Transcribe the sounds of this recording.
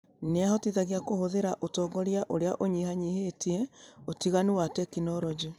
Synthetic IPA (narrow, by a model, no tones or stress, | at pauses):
neahɔtiðaɣiakohoðeɾaʔotɔːɡɔɾjaʔoɾeaʔoɲihaɲihetiɛotiɣaniwatɛkinɔɾɔd͡ʒu